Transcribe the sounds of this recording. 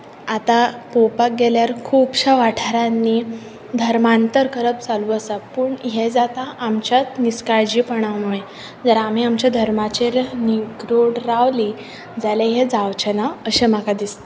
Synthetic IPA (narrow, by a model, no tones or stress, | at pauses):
at̪apopak̚ɡeljaɾkʰuːbɕaʋaʈʰɾanːi | d̪ʱəɾmant̪əɾkəɾəp̚t͡saluəsapəːɳɦed͡zat̪aʔːmt͡ɕjat̪niskaɭd͡ʑiːpəɳaʋmuɭe | d͡zəɾam̤iamt͡ɕad̪ʱəɾmat͡ɕeɾniɡɾoɽɾaʋli | d͡zaleɦed͡zaʋt͡ɕənaəɕemakad̪ist̪e